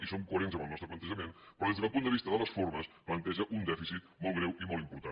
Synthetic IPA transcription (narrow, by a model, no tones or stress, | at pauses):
isomkuəɾenzəmbəlˠnɔst̪ɾəplənt̪əʒəmenpɾɔðezðəðəlˠpund̪əβist̪əðələsfoɾməsplənt̪ɛʒəʔund̪ɛfisit̪̚mɔlˠɣɾɛwimɔlˠimpuɾt̪a